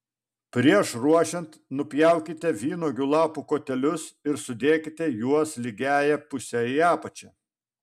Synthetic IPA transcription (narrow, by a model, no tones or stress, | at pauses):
pʲɾʲiɛʃɾuɔʃʲɛnt̪nʊpʲjæˑʊkʲɪt̪ʲɛʋʲiːnoːɡʲʊlˠɑːpuːkoːt̪ʲɛlʲʊsɪɾsʊd̪ʲeːkʲɪt̪ʲɛjuɔslʲiɡʲæːjɛpʊsʲɛiɑːpɐt͡ʃʲɛ